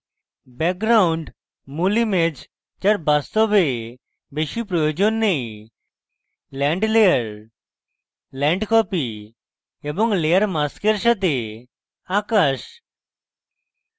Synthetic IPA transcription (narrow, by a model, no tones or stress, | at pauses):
bɛk̚ɡɾauɳɖ | mulimed͡ʑ | t͡ɕaɾbast̪ɔbe | beʃipɾɔjod͡ʑonːej | lɛ̃ɳɖlejəɾ | lɛ̃ɳɖkɔpi | ebɔŋlejəɾmaskeɾʃat̪̬e | akaʃ